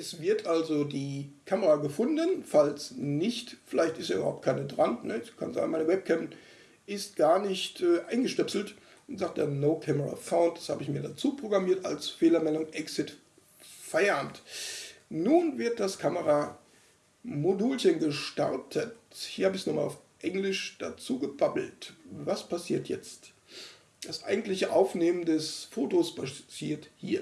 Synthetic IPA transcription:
ʔɛsv̥ɪɐtʔalzodiːkʰaməʁaɡəfʊndənfalsnɪçtfɪlaɪçtɪsteaɐʔybɐhaʊp̚tkʰaɪnədʁannəkʰa̰nza̰ːɡnmaɪnəvɛp̚kʰɛmp | ʔɪst̚ɡ̥aːɐnɪçtʔɛːʔaɪnɡəʃtɛpsl̩t | ʊnzaːk̚t̚d̥eːɐnoʊkʰɛməʁa̰faʊltd̥ḁshaːbəɪçmiːɐdat͡suːpʁ̥oɡʁamiːɐta̰lsfeːlɐmɛlʊŋʔɛksɪt | faɪɐʔaːmt | nuːnvɪɐt̚d̥askʰaməʁa | moduːlçənɡəʃta̰ʁtʰəthiːɐhaːbəɪçsnɔχma̰laʊfʔɛŋlɪʃd̥a̰t͡suːɡəbabl̩tvaspʰasiːɐtʰjɛ̰t͡st | d̥asʔa̰ɪɡŋ̩tlɪçəʔaʊfneːməndɛsfoːtospat͡siːɐthḭːɐ

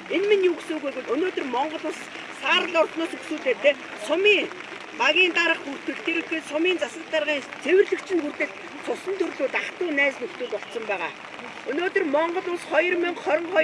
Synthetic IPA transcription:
enminjuːksuːɣujɣut̪ɵnoːt̪ɵ̆rmɔɴɢɞ̆ɮʊːsː | aːɾə̆ɮɔrt̪nʊːsɵksuːɮeːt̪ʰeː | sʊmiːŋ | paɣʲiːnt̪aɾə̆χxur̥t̪ɘ̆ɮt̪ʰeɾɵ̆ŋxeːsʊmiːnt͡sasə̆t̪t͡sarʁiːŋt͡sʰewɘ̆rɮɘ̆kt͡ɕʰɪ̆nxur̥t̪ɘ̆ɮt̪ | t͡sʰʊsə̆nt̪ʰɵrɮuːt̪aχt̪ʊːnæːsnɵkt̪uːt̪ɔɬt̪sɞ̆mpæːʁa̰ː | ɵnoːt̪ɵ̆rmɔɴɢɞ̆ɮʊːsχɔjɞ̆rmĭŋχɔɾʲɞ̆ɴχɔ

